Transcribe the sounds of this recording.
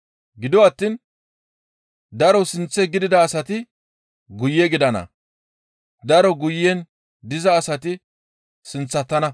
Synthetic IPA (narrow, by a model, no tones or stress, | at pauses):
ɡɪd̪ɔwɐt̪ːiːn | d̪ɐɾɔsɪnt͡sːɛɡɪd̪ɪd̪ɐːsɐt̪ɪ | ɡʊjːɛɡɪd̪ɐnɐ̰ | d̪ɐɾɔɡʊjːɛn | d̪ɪzɐːsɐt̪ɪ | sɪnt͡sːɐt̪ːɐnɐ